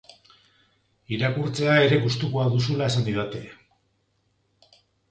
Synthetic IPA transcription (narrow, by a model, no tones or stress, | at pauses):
iɾakuɾt͡se̞ae̞ɾe̞ɣust̪ukuaðusulae̞saniðat̪e̞